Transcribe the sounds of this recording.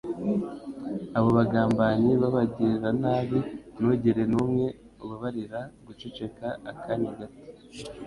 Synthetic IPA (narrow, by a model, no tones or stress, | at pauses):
aβo̞βaɡaːmbaɲiβaβaɟiɾanaːβinuɟiɾe̞numŋe̞ | uβaβaɾiɾaɡut͡ʃet͡ʃe̞kaːkʰaneɡato̥